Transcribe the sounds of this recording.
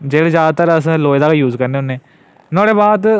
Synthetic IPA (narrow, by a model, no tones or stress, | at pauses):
d͡ʒeːɽezjaːd̪aːt̪əɾəsloːjd̪aːkejuːzkəɾneːɦʊːnːeː | nɔːɽeːbaːd̪